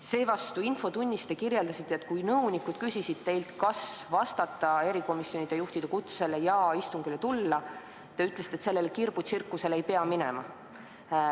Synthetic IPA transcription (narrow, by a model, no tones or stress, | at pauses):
se̞ːvɑst̪uinfo̞t̪unʲːist̪ekiɾjeld̪ɑsit̪ːˑeet̪̚kujnɤwnikud̪̥kysʲisid̪̥t̪e̞jlt̪kɑsvɑst̪ɑt̪ːˑɑe̞ɾiko̞misjo̞nʲid̪̥ejuht̪id̪̥ekut̪sse̞lejɑːist̪uŋɡ̥ylet̪ulːɑ | t̪ɑyt̪ːˑlesit̪et̪se̞lːe̞lekirb̥usirkːuse̞le̞jpeɑminɛ̰mɑ